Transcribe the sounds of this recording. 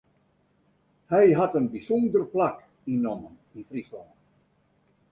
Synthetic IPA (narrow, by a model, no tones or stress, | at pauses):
hɛjɦatənbisɔndərplak | inɔmən | infrislɔnt